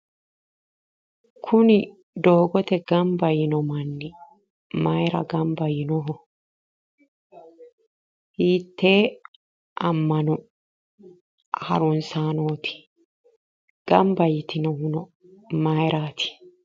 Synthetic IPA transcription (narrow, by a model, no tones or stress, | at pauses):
kʰʊnɪ | d̪oːɡɔt̪ɛɡɐmbɐjɪnɔmɐnːɪ | mɐjɾɐ̰ɡɐmbɐjɪnɔɦɔ | hiːt̪ːeː | ʔɐmːɐnɔ | hɐ̰ɾʊnsaːnoːt̪ɪ̥ | ɡ̥ɐmbɐjɪt̪ɪnɔhʊnɔ | mɐjɾʔaːt̪ɪ̥